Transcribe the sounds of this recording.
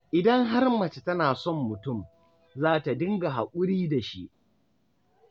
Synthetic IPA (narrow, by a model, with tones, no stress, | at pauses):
ʔɪ˨dɐ˦ŋɦa˦rmɐ˨t͡ʃe˨tɐ˦naː˨sɔ˦˨mːʊ˨tʊ˦˨m | zaː˦ta˨dɪ˦ŋɡa˨ɦa˨kʷʼʊ˦ɽiː˦da˨ʃi˦ʔ